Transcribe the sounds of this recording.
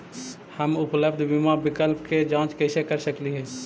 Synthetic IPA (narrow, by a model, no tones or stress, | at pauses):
həmʊpləbd̪ʱbimabɪkəlp̚ked͡ʒãːt͡ʃkəɪsekəɾsəkliɦɛː